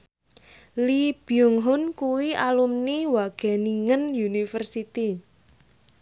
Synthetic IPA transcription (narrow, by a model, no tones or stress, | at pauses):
lib̥iʊŋɦʊnkuwiʔalumniwaɡ̥ɛ̤niŋənjunifərsit̪i